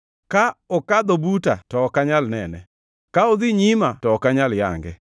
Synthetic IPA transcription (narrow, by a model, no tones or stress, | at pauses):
kaɔkad̪obutatɔkaɲalnɛnɛ | kaod̪iɲimatɔkaɲalja̰ŋɡɛ